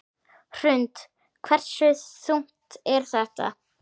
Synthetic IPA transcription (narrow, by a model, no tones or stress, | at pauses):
r̥ʏnt̪ | kʰvɛr̥sʏsum̥t̪ɛɾ̥θɛht̪a̰